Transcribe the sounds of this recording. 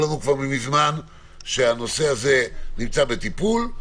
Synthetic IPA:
lanukvaʁmimizman | ʃe̞ano̞se̞aze̞nimt͡sabe̞t̪ipul

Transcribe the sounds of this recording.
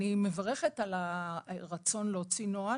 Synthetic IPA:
imevaʁeχe̞t̪alaʁat͡so̞nleot͡sinoa

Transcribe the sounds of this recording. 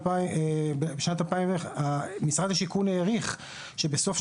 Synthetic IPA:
bebeʃnat̪alpajimeχamisʁad̪haʃikuneːʁiχ | ʃe̞beso̞fʃ

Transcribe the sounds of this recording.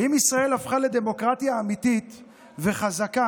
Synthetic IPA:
imisʁae̞lafχale̞d̪e̞mo̞kʁat̪jaːmit̪it̪ | ve̞χazaka

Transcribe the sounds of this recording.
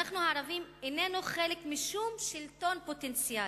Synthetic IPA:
aχnuhaːʁavimene̞nuχelekmiʃumʃilto̞npo̞tent͡sia

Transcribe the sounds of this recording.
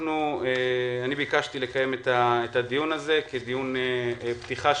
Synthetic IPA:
nueanibikaʃtile̞kaje̞met̪aet̪adijunaze̞ked̪ijunpt̪iχa

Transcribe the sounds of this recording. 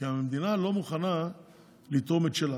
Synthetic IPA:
iamemd̪inalo̞muχana | lit̪o̞met̪ʃela

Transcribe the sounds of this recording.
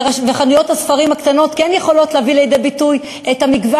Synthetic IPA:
aveχanujo̞thasfaʁimhakt̪ano̞t̪kɛnjeχo̞lo̞tleavilejd̪e̞bituj | etamiɡva

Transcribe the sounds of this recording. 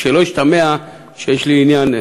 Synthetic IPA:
ʃelo̞iʃt̪amea | ʃejeʃliːnjan

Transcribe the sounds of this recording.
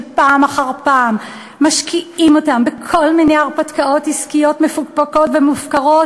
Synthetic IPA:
paːmaχaʁpaːmː | aʃkiimo̞tambekʰo̞lminejaʁpatkaʔo̞tiskijo̞tmefuɡpako̞tvemufkaʁo̞t

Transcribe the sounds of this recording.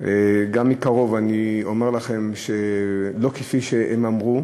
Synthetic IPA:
eɡamːikaʁo̞vanio̞me̞ʁlaχe̞mʃelo̞kefiʃeʔemamʁu

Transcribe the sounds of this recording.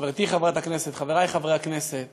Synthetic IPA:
veʁt̪iχavat̪aknese̞t̪χaveʁajχavʁeakneset̪̚

